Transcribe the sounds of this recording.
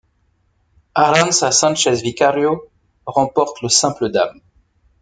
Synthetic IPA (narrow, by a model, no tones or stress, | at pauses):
aʁɑ̃nsasɛ̃ʃɛzvikaʁjo | ʁɑ̃pɔʁt̪ləsɛ̃pləd̪a̰m